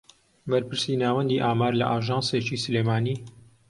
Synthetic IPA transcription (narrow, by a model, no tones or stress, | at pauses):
bɐɾpɨɾsiːnaːwɛnd̪iːʔaːmaːɾlɐ̰ʔaːʒɑːnseːt͡ʃisɨleːmaːniː